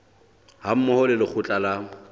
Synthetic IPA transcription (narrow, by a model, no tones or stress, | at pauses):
ham̩mʊhɔlɪlɪk͡xʰʊt͡ɬʼala